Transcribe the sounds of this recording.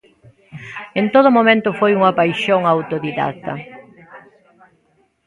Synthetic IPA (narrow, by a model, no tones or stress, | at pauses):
ent̪oð̞ʊmomẽnt̪ʊfojuŋapajʃoŋawt̪oðiða̰t̪ɐ̰